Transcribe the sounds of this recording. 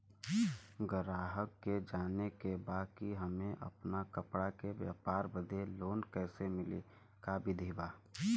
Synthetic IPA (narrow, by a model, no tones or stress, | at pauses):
ɡəɾaːɦəkːed͡ʒaːnekebaːkkiɦəmẽʔɐ̰pnakəpɽakeʋja̰ːpaːɾbəd̪ʱeloːnkɛːsemɪle | kabɪd̪ʱibaː